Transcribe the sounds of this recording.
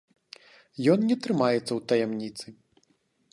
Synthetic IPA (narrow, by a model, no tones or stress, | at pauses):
jɔnnʲɛt̪ɾɨmajɛt̪sːɐwt̪ɐjɛmnʲit̪sɨ